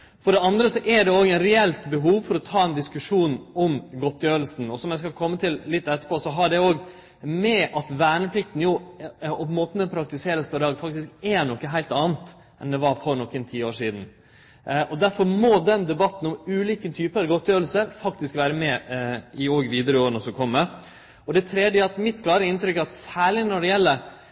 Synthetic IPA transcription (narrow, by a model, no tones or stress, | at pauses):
fɔɖɛɑnd̪ɾəsɔʔæɖɛoːɡɛnɾɛɛlt̪bəɦuːʋfɔɾɔt̪ʰɑːɛnd̪ɪskʉʂuːnɔmɡɔt̪ːjøːɾlsn̩ɔsɔmjæɪskɑlkʰɔmːət̪ʰɪllɪt̪ːɛt̪ːə̥ɾpʰoːsɔɦɑɖɛoːɡ | mɛʔɑt̪ʋæːɳəpʰlɪkt̪n̩jʊɔmoːt̪nɛpʰɾɑk̚t̪ɪseːɾəspʰɔɾɑːɡfɑk̚t̪ɪskɛɳɔkːəɦæɪlt̪ɑːnt̪ | ʔɛnd̪ɛʋɑɾfɔɾɳɔkːənt̪ʰiːoːʂiːd̪n̩ | ʔɔd̪æɾfɔɾmɔd̪ɛnd̪ɛbɑt̪ːn̩ɔmʉːliːkənt̪ʰyːpəɾɡɔt̪ːjøːl̩səfɑkt̪ɪskʋæːɾəmɛɪoːɡʋiːd̪əɾəoːɾənəsɔkʰɔmːə | ɔd̪æt̪ʰɾɛd̪jəɑt̪mɪt̪kʰlɑːɾəɪnt̪ɾʏkːɑt̪sæːɭɪnɔɖɛjɛlːə